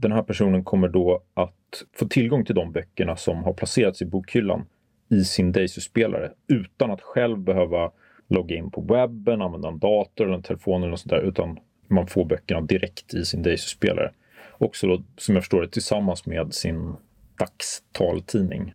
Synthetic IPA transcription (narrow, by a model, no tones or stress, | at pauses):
d̪ɛnɦæːɾpʰæʂuːnənkʰɔmːəɖɔʔat̪foːt̪ʰɪlɡɔŋt̪ʰɪld̪ɔmbœkːəɳasɔmɦaɾpʰlaseːɾat̪sɪbuːkʰhʏlːa̰n | ɪsɪnd̪ɛjsʏspeːlʔa̰ɾəʉ̟ːt̪anat̪ɧɛlvbɛɦøːva | lɔɡːaɪnːpʰɔvɛbːənanvɛnd̪aɛnd̪ɑːt̪ʊɾɛlːəɾɛnt̪ʰɛlɛfoːnɛlnɔsɔnt̪ʰæːɾʉ̟ːt̪ʰan | manfoːɾbœkːəɳad̪ɪɾʔɛkt̪ʰɪsɪnd̪ɛjsʏ̥spḛːlʔa̰ɾə̰ | ɔksɔd̪ɔsɔmjɑːfəʂʈoːɾɛt̪ʰɪlsamːansmeːd̪sɪn | d̪̥akst̪ʰɑːlt̪ʰiːnɪ̰ŋ